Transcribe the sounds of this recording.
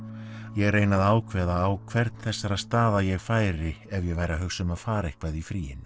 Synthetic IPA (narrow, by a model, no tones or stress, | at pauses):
jɛɣreːjnaðaːwkʰvɛːðaːwkʰv̥ɛɾt̪nθɛsːaɾaðst̪aːðajɛɣfaːjɾɪɛvjɛɣvaːjɾaɦœxsʏmaðfaːɾaehkvaðifɾiːjɪ̰n